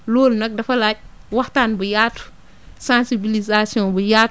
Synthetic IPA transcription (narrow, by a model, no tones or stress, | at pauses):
loːlnɐk̚dɐfɐlac̚ | wahtanbujatu̥ | sãnsibilizasiɔ̃bujat